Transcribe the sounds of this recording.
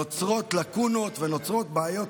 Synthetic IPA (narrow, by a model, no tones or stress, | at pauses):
ot͡sʁo̞t̪lakuno̞t̪veno̞t͡sʁo̞t̪̚baajo̞t